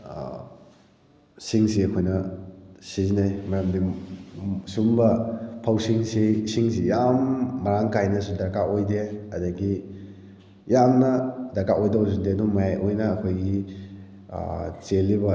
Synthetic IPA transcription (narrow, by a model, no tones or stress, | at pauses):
siŋsiɐkʰojnɐsizinajmɐɾamdi | sumbɐpʰɐwsiŋsisiŋs̬ijamːɐɾaŋkajnɐsudɐkaojdeɐdaɡi | jamnɐdɐkaʔojdɐs̬undedumajajʔojnɐːkʰojɡḭ | t͡ʃelːibɐ